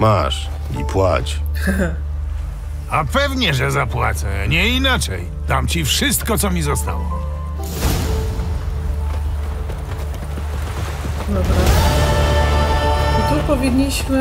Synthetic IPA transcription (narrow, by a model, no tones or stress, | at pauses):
ma̰ʂ | ḭpwa̰t͡ɕ | apɛvɲɛʐɛzapwa̰t̪sɛɲɛinat͡ʂɛj | d̪̥amt͡ɕifʂɨst̪kɔt̪sɔmʲizast̪a̰wɔ̰ | d̪ɔbɾa | ɔt̪upɔvʲiɲːiɕmɘ